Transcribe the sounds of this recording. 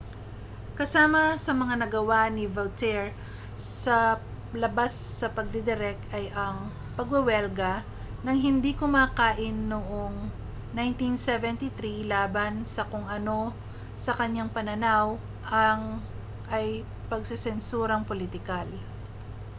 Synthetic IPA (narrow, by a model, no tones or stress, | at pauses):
kɐsaːmɐsɐmɐŋanɐɡɐwanɪvɐwt̪ɛɹ | sɐ | lɐbasːɐpɐɡ̚d̪ɛd̪ɛɾɛk̪̚ɐjʔɐŋ | pɐɡwɛwɛlɡɐ | nɐŋɦɪnd̪ikʊmaːkaːʔɪnːoʔoŋ | najnt̪insɛvɛnt̪iθɾilaːbɐnsɐkoŋɐno̞ | sɐkɐɲːaŋpɐnɐnaw | ʔɐŋ | ʔɐj | pɐɡsɪsɛnsuːɾɐŋpolɪt̪ɪkal